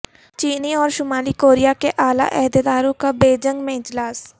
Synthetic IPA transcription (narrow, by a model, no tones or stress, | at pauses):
t͡ʃiːniɔːɾʃʊmaːlikoːɾijakeʔaːla̰ʔɛɦd̪ed̪aːɾõkabeːd͡ʒə̃ŋɡmẽɪd͡ʒlaːs